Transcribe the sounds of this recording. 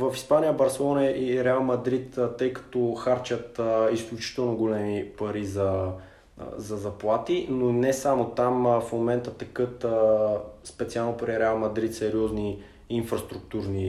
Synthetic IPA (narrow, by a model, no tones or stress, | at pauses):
vɐfispanijəbɐɾsɛlˠɔnɐiɾɛalˠmɐd̪ɾit̪t̪ːɤjkɐ̥t̪ɔxaɾt͡ʃət̪isklʲut͡ʃi̥t̪ɛlˠnoɡolɛmipɐɾizɐ | zɐzɐplˠat̪inonɛsamot̪amfmomɛnt̪ət̪ɛkɤt̪əspɛt̪sialˠnopɾiɾɛalˠmɐd̪ɾit̪sɛɾiɔzniː | nfɾɐst̪ɾuk̚t̪uɾni